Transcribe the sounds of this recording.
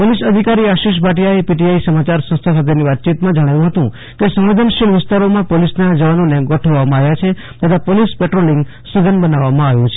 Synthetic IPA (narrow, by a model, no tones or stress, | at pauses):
polisəd̪ʱikaɾiaʃiʃ̬paʈ̬ijaepiʈiaisəmat͡ʃaɾsə̃st̪ʰəkʰət̪eniʋat̪̚t͡ʃit̪mãd͡ʒəɽ̃ajũɦət̪ũ | kesə̃mʋed̪ʱənʃilʋɪst̪aɾomãpolisnad͡ʒəʋanoneɡəʈʰəʋamãaʋjat͡ʃʰe | t̪ət̪ʰapolispeʈɾoliŋɡ | səɡənbənaʋːamãaʋjũt͡ʃʰe̥